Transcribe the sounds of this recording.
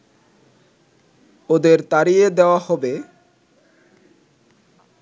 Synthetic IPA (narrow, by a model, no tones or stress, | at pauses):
od̪eɾt̪aɾied̪eoahɔbe